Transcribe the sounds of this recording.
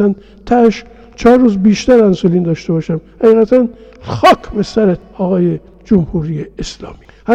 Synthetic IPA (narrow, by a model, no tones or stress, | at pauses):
æn | t̪ʰæʃ | t͡ʃʰɒːɾːuːzbiːʃt̪æɾænsoliːnd̪ɒːʃt̪e̞bɒːʃæmhæiːɣæt̪ʰænxɒːkʰbesæɾet̪̚ɒːɣɒːje | d͡ʒomhuːɾiːjeːslɒ̰ːmiː | hæ